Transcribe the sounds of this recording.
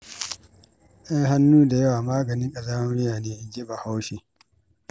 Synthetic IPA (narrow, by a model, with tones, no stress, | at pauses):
ʔja˦ŋɦa˦nːuː˦da˨jɐ˦waː˨maː˦ɡɐ˨nɪ˦ŋkʼɐ˨zaː˦m˦mɪ˦jaː˨neː˦ʔɪ˦ɡɪ˦ba˨ha˦wʃe˨